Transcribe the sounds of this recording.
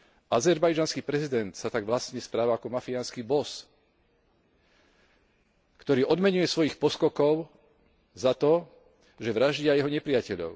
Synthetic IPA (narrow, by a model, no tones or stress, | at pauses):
azɛɾbajd͡ʒanskiːpɾɛzid̪ɛnt̪sat̪aɡʋlast̪ɲɛspɾaːʋaakɔmafianskiːbɔs | kt̪ɔɾiːʔɔd̪mɛɲujɛsʋɔjixpɔskɔkɔʊ | zat̪ɔ | ʒɛʋɾaʒɟɪajɛɦɔɲɛpɾɪjacɛʎɔ̰ʊ